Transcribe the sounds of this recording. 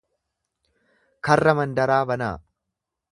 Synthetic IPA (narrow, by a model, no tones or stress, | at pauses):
kɐrːɐmɐnd̪ɐɾaːbɐna̰ː